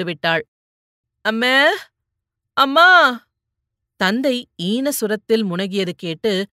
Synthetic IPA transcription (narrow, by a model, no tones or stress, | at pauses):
ɯʋɪʈːaːɻ | ɐmːeː | ɐmːaː | t̪ɐnd̪ɐɪiːnɐsʊɾɐt̪ːɪlmʊɳɐɣɪjɐðɯkeːʈːɯ